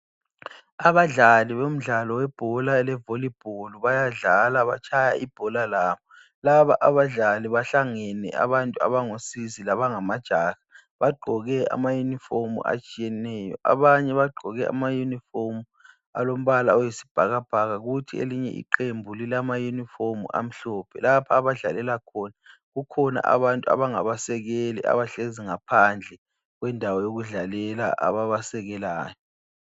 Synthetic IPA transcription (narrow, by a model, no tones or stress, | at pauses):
aβaɮaliβom̩ɮalɔwɛb̥ʱɔlaɛlɛvolib̥ʱoluβajaɮalaβa̰t͡ʃʰaja̰ib̥ʱɔlalaːβɔ | laβa̰ʔaβaɮaliβaɬaŋɛnɛ̰a̰βantʼua̰βaŋosizilaβaŋamad̥ʒ̥ʱaɣa | βaɡ͡ǃʱɔɣɛa̰majunifomṵa̰t͡ʃʼijɛnɛːjɔ̰ʔa̰βaɲɛβaɡ͡ǃʱɔɣɛa̰majunifomu | a̰lom̩βalaɔjesi̥b̥ʱaɣab̥ʱaɣaɣutʰiḛliɲɛ̰ʔḭǃembʱulilamajunifomṵʔa̰m̩ɬɔːpʰɛ̰lapʰaːβaɮalɛlakʰɔna | ɣukʰɔna̰ʔa̰βantʼua̰βaŋaβasɛɣelḭʔa̰βaɬeziŋapʰand͡ɮʱɛ | ɣwɛndʱawɔjoɣuɮalɛla̰ʔa̰βaβasɛɣɛlaːjɔ